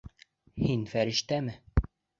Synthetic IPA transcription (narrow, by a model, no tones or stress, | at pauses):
hinfæɾɘ̆ʃt̪æmɘ